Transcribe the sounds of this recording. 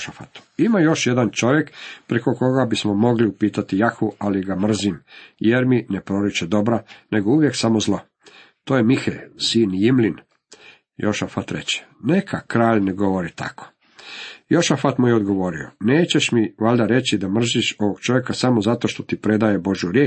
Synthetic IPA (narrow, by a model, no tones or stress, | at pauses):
ʃafat̪u̥imajo̞ʃje̞d̪ant͡ʃo̞ʋje̞kpɾeko̞ko̞ɡabismo̞mo̞ɡliupiːt̪at̪ijaxualiɡamr̩zimjeɾminepɾo̞ɾit͡ʃed̪o̞bɾane̞ɡo̞uʋjeksamo̞zlˠo̞ | t̪oːjemixesiːnijimlin | jo̰ʃafat̪ɾḛt͡ɕe̥ne̞kʰakɾaːʎneɡo̞ʋo̞ɾit̪ʰa̰kʰo̥ | jo̞ʃafat̪mujeod̪ɡo̞ʋo̞ɾioneːt͡ɕeʃmiʋaʎd̪aɾe̞t͡ɕid̪amr̩ziʃo̞ʋoɡ̚t͡ʃo̞ʋjekasamo̞zat̪o̞ʃt̪o̞t̪ipɾe̞d̪aje̞bo̞ʒjuɾjeː